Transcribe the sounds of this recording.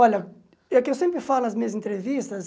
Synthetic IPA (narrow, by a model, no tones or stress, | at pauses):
ɔʎɐ | ekɪewsẽmpɾɪfalʊnɐzmĩɲɐzẽnt̪ɾevist̪ɐs